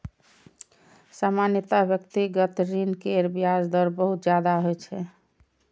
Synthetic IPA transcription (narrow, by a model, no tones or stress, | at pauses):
samanjət̪abjəkt̪iɡət̪ɾinkeɾbiasd̪əɾbəɦut̪̚d͡ʒjad̪aɦojt͡ʃʰɛ